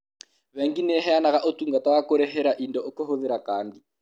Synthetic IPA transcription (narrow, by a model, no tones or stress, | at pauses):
βɛŋɡinɛɦɛanakaʔotuŋɡatawakoɾɛɦɛɾaʔindɔʔokɔɦoðɛɾakaːndi